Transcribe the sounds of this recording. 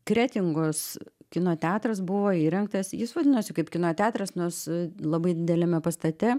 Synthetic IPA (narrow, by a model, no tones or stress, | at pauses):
kɾʲæːt̪ʲɪŋɡoskʲɪnoːt̪ʲæːt̪rɐsbʊʋoːiːɾʲɛŋkt̪ɐsjɪsʋɐdʲɪnosʲɪkɐɪpkʲɪnoːt̪ʲæːt̪ɾɐsnoslˠɐbɐɪd̪ʲɪd̪ʲɛlʲɛmʲɛpɐst̪ɐt̪ʲɛ